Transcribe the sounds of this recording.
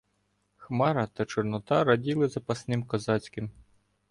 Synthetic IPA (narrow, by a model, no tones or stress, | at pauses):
xmɑɾɐt̪ɐt͡ʃɔrnɔt̪ɑɾɐdʲilˠɪzɐpɐsnɪmkɔzɑt͡sʲkɪm